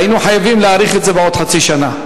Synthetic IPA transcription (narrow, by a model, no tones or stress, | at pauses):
inuħajavimleaʁiχetzebeo̞d̪̥ħat͡siʃana